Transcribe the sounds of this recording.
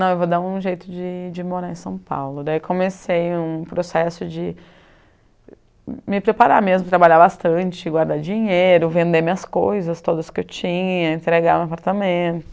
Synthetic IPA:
nɐ̃w̃ewvod̪aũʒejt̪ʊd͡ʒɪd͡ʒɪmoɾaẽsɐ̃w̃pa̰wlʊd̪aikʰõmesejũpɾosɛsʊd͡ʒɪ | mɪpɾepaɾamezmʊt̪ɾabaʎabast̪ɐ̃t͡ʃɪɡwaɾd̪ad͡ʒĩɲejɾʊvẽnd̪emiɐskojzɐst̪od̪ɐskɪewt͡ʃĩɲɐɐẽnt̪ɾeɡaɾwapaɾt̪amẽt̪ʊ

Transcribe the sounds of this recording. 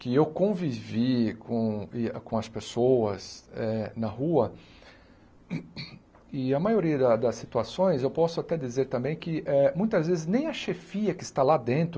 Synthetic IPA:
kɪewkõvivikʰõɪkõɐspesowɐzɛnɐhuɐ | ɪɐmajoɾiɐd̪ɐd̪ɐsːit̪uasõj̃zewpɔsʊat̪ɛd͡ʒ̪izeɾt̪ɐ̃mbẽj̃kɪʔɛmũj̃t̪ɐzvezɪznẽj̃ɐʃefiɐkɪst̪alad̪ẽnt̪ɾʊ

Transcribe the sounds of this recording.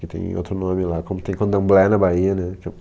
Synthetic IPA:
kɪt̪ḛ̃j̃o̰t̪ɾʊnõmɪlakõmʊt̪ẽj̃kwɐ̃nd̪ɐ̃blɛnɐbaiɐnɛ̃ke

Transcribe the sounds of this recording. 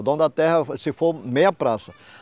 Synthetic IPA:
d̪ɐ̃d̪ɐt̪ɛɦɐsɪfoɾmejɐpɾasɐ

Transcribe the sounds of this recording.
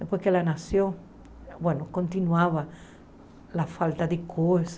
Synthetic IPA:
d̪epweskelanasjoŋ | bwenokont̪inwaβa | lafalt̪aðekʰos

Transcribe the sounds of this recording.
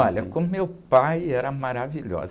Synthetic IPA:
ɔʎɐkõmʊmewpajɛɾɐmaɾaviʎɔ̰z

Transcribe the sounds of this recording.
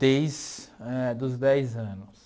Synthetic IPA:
d̪ejzɛd̪ʊzd̪ɛjzɐ̃nʊs

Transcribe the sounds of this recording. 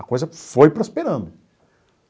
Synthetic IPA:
ɐkojzɐfojpɾospeɾɐ̃nd̪ʊ

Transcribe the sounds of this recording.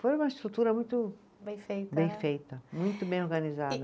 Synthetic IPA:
fojũmɐiʃt̪ɾut̪uɾɐmũj̃t̪ʊ | bẽj̃fejt̪bẽj̃fejt̪ɐmũj̃t̪ʊbẽj̃oɾɡɐnizad̪ɐ

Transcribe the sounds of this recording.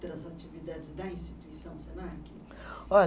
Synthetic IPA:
t̪ɾɐzat͡ʃivid̪ad͡ʒɪzd̪ɐĩst͡ʃit̪uisɐ̃w̃senaki | ɔ

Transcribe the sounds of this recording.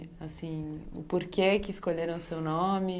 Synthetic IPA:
asĩʊ̰poɾkekɪːskoʎeɾɐ̃w̃sewnõmɪ

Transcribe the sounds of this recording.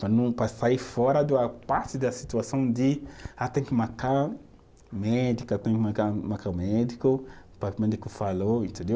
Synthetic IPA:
pɾanũpɾasaifɔɾɐd̪uapaɾt̪ɪd̪ɐsit̪uasɐ̃w̃d̪ɪat̪ẽkɪmaka | mɛd̪ikʊat̪ẽj̃kakamakamɛd̪ikʊpɾɐmẽd̪ikʊfaloĩnt̪ẽnd̪ew

